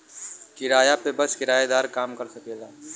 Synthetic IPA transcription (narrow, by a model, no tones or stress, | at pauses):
kɪɾaːjapebəskɪɾaːjed̪aːɾkaːmkɐɾsɐkelaː